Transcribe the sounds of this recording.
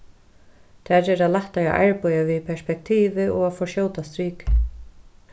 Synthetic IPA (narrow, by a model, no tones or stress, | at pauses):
t̪ʰaɾɛɾaðlaht̪aja̰ʔa̰ɹpɔjaviðpʰɛ̥spɛk̚t̪ʰiːvɪɔɣafɔʃjoːwt̪ast̪ɾiːk